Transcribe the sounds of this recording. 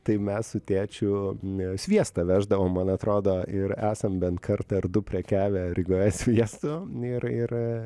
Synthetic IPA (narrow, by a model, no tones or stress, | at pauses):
t̪ɐɪmʲɛssʊt̪ʲeːt͡ʃʲʊsʲʋʲiɛst̪ɐʋʲæːʒd̪ɐʋoːmːɐnɐt̪ɾoːd̪oːɪɾæːsɐmbʲɛnt̪kɐrt̪ɐrd̪ʊpʲɾʲiɛkʲæːʋʲɛɾʲɪɡoːjɛsʲʋʲiɛst̪ʊɪɾɪr